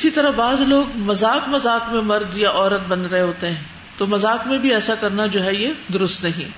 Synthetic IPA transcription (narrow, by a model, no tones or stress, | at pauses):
ɪsit̪ɐɾaɦbaːzloːɡmɐzaːkmɐzaːkmẽmɐɾd̪jaʔɔːɾət̪̚bɐ̃nɾɐɦeɦoːt̪eɦɛ̃ː | t̪oːmɐzaːkmẽbʱiɛːsakɐɾnad͡ʒoːɦɛjed̪ʊɾʊst̪nɐɦḭ̃ː